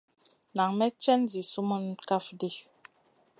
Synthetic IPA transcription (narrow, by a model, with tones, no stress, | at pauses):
na˨ŋmɛ˦t͡ʃɛ˦nzi˨su˦mu˦n˦ka˦fdi˦˨